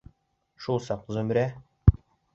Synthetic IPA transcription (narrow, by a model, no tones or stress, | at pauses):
ʃulˠsɑqzɵ̆mɾæ